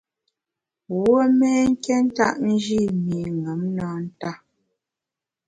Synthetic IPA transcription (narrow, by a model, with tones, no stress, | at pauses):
wo˦mɛ˦ŋ̩˦kɛ˦n̩˦ta̰˦ʔn̩˦d͡ʒi˦˨mi˨ŋə˨˦mnaː˦n̩˦ta˦˨